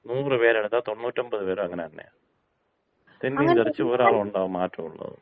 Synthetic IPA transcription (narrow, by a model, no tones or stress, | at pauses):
nuːrɨpeːɾeɳt̪ːaːt̪o̞nːuːtːombɐðɨpeːɾumɐŋːɐneɐnːḛja̰ | t̪enːiːt̪ɐrit͡ɕːɨoːɾaːɭɐmuɳɖaːʋumːaːtrɐmuɭːɐ̰ðɨ̰